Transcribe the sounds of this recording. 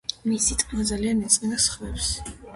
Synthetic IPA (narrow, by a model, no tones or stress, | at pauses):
misit̪ʰʼmad̪zalianɛt̪sʼɛnasχwɛfs